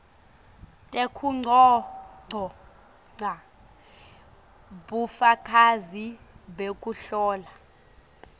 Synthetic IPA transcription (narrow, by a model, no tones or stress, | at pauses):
tʼekʰuŋ͡ǀʱɔŋ͡ǀʱɔ | ŋ͡ǀa | ɓufakʰʼazi | ɓekʼuɬɔːla